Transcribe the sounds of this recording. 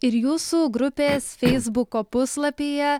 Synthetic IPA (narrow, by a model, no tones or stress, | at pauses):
ɪɾjuːsuːɡɾʊpʲeːsfʲɛɪzbʊkoːpʊslˠɐpʲeːjɛ